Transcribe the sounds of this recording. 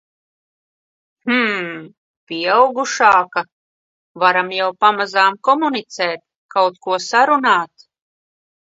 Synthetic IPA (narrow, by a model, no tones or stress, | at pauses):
h̩ | pʲiɛawɡuʃaːka | vaɾamjawpamazaːmkɔmunit̪sɛːt̪̚ | kawt̪kuɔsaɾunaːt̪